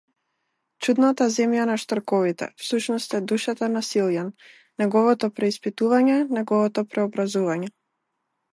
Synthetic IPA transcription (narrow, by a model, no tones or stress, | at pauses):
t͡ʃud̪nat̪azɛmjanaʃt̪ɔɾkɔvit̪ɛ̰fsuʃnɔst̪ɛd̪uʃat̪anasilˠjanː | ɛɡɔvɔt̪ɔpɾɛispit̪uvaɲɛnɛɡɔvɔt̪ɔpɾɛɔbɾazuvaɲɛ